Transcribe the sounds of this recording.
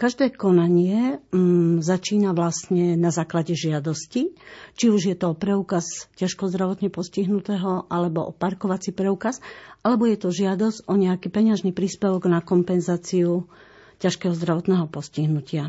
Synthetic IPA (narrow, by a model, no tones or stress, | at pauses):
kaʒd̪ɛːkɔnaɲɪɛ | zat͡ʃiːnaʋlast̪ɲɛnazaːklaɟɛʒɪad̪ɔscit͡ʃiuʒjɛt̪ɔɔpɾɛukazcaʃkɔzd̪ɾaʋɔt̪ɲɛpɔsciɦnut̪ɛɦɔʔalɛbɔʔɔpaɾkɔʋat͡sipɾɛuːkasʔalɛbɔjɛt̪ɔʒɪad̪ɔzɟɔɲɛakipɛɲɪaʒnipɾiːspɛʋɔɡnakɔmpɛnzaːt͡siu | caʃkɛːɦɔzd̪ɾaʋɔt̪nɛːɦɔpɔsciɦnucɪa